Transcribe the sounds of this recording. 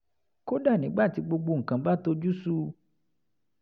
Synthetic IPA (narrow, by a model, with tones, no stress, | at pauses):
ko˦da˦˨nĩ˨˦ɡ͡ba˦˨ti˧ɡ͡bo˧ɡ͡bo˧ŋ̩˨kã˨ba˦to˧d͡ʒu˦su˦